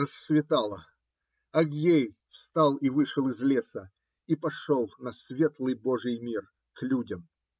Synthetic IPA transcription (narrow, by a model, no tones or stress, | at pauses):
əsːvʲɪt̪alˠə | ɐɡjej | fst̪alˠivɨʂəlˠɪzlʲesə | ipɐʂolˠnɐsʲvʲet̪lˠɨjboʐɨjmʲir | klʲudʲəm